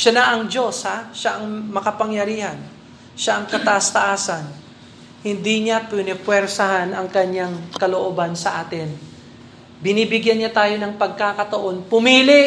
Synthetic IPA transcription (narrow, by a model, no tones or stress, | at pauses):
ʃanɐʔɐŋd͡ʒo̞shaʃaʔɐŋmɐkɐpɐŋjɐɾiːhɐn | ʃaʔɐŋkɐt̪ɐʔst̪ɐʔaːsɐn | hɪnd̪iɲapwɛnɛpwɛɾsɐhanɐŋkɐɲːaŋkɐloʔoːbansɐʔaːt̪ɪn | bɪnibɪɡjanɲat̪aːjo̞nɐŋpɐɡ̚kakɐt̪ɐʔo̞npʊmiːlɪ